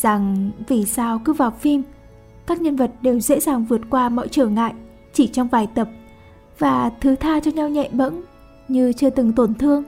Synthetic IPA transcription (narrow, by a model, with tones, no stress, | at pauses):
za˨˩ŋvi˨˩saː˧wkɨ˨˦vaː˨˩wfi˧m | kaː˦˥k̚ɲə˧nvə˨˩t̚ɗe˨˩wzḛ˧˥zaː˨˩ŋvɨ˨˩ət̚kwaː˧mɔ̰˧˨jt͡ɕəː˧˩ŋa̰ː˧˨jʔ | t͡ɕi˧˩t͡ɕɔ˧wŋ͡mvaː˨˩jt̪ə˨˩p̚ | vaː˨˩t̪ʰɨ˨˦t̪ʰaː˧t͡ɕɔ˧ɲa˧wɲɛ̰˧˨ɓə̰˧˥n | ɲɨ˧t͡ɕɨ˧ət̪ɨ˨˩ŋt̪o˧˩nt̪ʰɨ˧əŋ